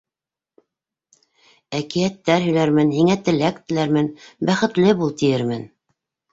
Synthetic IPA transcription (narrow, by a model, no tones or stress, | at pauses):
ækijæt̪ːæɾɦɵ̆jlæɾmɘnhiŋæt̪ɘ̆læk̚t̪ɘ̆læɾmɘnbæχɘ̆t̪lɘbulˠt̪ijɘɾmɘn